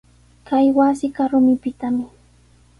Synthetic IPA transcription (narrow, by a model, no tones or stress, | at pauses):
kajwasɪkaɾʊmɪpɪt̪amɪ